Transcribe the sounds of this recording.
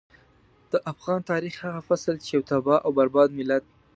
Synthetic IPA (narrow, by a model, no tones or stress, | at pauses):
d̪̥əʔafɣɑnt̪ɑɾixhaɣafaslt͡ʃejawt̪abɑʔawbaɾbɑd̪mɪlat̪̚